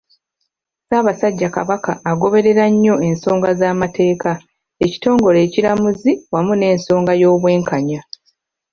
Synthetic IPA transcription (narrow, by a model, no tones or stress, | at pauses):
saːβasaɟːaka̰βakaːɡo̞βe̞ɾe̞ɾaɲːo̞e̞nso̞ːŋɡazaːmate̞ːka | e̞ci̥to̞ːŋɡo̞le̞ːciɾamuziwamune̞ːnso̞ːŋɡajo̞ːβwe̞ːŋkaɲa